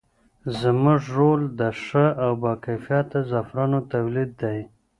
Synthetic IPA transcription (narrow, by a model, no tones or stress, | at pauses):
zəmʊʐɾold̪əʂəawbɑkajfjɑt̪azafɾanot̪awlid̪ːaj